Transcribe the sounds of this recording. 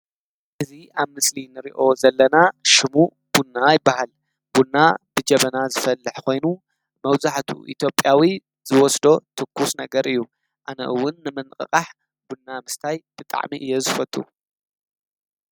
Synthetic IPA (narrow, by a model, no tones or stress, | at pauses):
ʔɨziaβmɨslinɨɾḭʔo̞zɐlːɐnaʃɪmu | b̥unːajɪbːahal | b̥unːab̥ɨd͡ʒɐβɐnazɨfɐlːɨħkʰo̞jnu | mɐwzaħt̪ʰṵʔḭt̪ʰjo̞pʼːjawi | z̥ɨwɔsd̪o̞t̪ʰɨkʰːusnɐɡɐɾʔɨjːu | ʔanɐ̰ʔɨwːʊnːɨmɨnkʼɨ̰qʼaħ | b̥unːamɨst̪ʰajb̥ɨt̪ʼa̰ʕmiʔɨjːezɨfɐt̪ʼːṵ